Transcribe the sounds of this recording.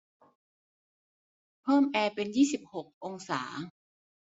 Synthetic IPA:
pʰɤː˥˩mʔɛː˧pe˧njiː˥˩si˨˩p̚ho˨˩k̚ʔo˧ŋsa̰ː˩˦

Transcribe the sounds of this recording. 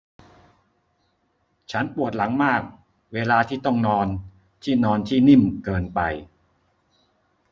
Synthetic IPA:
t͡ɕʰa˦˥npu˨˩ət̪̚la˩˦ŋmaː˥˩k̚ | weː˧laː˧t̪ʰiː˥˩t̪ɔ˥˩ŋnɔː˧n | t̪ʰiː˥˩nɔː˧nt̪ʰiː˥˩ni˥˩mkɤː˧npa˧j

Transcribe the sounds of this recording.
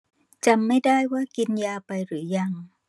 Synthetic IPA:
t͡ɕa˧mːa˥˩jdaː˥˩jwaː˥˩ki˧njaː˧pa˧jɾɯː˩˦ja˧ŋ

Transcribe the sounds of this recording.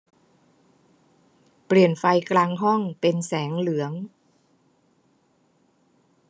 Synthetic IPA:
pli˨˩ənfa˧jklaː˧ŋɦɔ˥˩ŋpe˧nsɛː˩˦ŋlɯ˩˦əŋ

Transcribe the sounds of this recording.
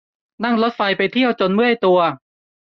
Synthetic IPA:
na˥˩ŋlo˦˥t̪̚fa˧jpa˧jt̪ʰi˥˩əwt͡ɕo˧nmɯ˥˩ə˨˩jt̪u˧ɐ

